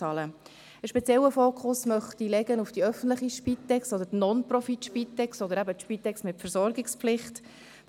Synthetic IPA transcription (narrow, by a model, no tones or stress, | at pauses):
ɑlə | əʃpɛt͡sjɛlːəfoːkχʊsmœχt̪ilɛɡənufd̥iœfən̩tləχiʃpitːɛkstɔd̪ətnɔnprɔfitʃpit̪ːɛkstɔd̪əɾæbətʃpitːɛksmɪtfəɾsɔɾɡɪksplɪχt